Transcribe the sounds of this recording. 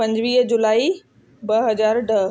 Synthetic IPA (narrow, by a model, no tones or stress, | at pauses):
pɐ̃ɲd͡ʑʋiːɦd͡ʑʊlaːi | bɐɦɐzaːɾɖɐɦ